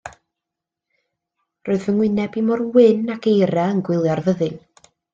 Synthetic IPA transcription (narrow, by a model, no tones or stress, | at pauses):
roːɨðvəŋwɪnɛbimɔrwɪnakejɾaənɡwɪlˠjarvəðɨn